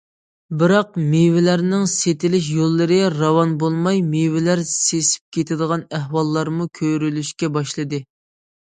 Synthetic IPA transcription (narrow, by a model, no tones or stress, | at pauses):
bɪɾɑqmewɪlæɾnɪŋset̪ɪlɪʃ̬jolˠːɨɾɨɾɑwɑnbolˠmɑjmewɪlæɾsesɪ̥p̚kʲʰet̪ʰɪd̪əʁɑnæhwɑlˠːɑɾmukʲʰøɾylyʃkʲɛbɑʃlˠɨd̪ɨ